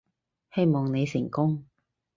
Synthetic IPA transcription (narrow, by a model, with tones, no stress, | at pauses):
he˥jmɔː˨˩ŋne˨˧jsɪ˨˩ŋkʊ˥ŋ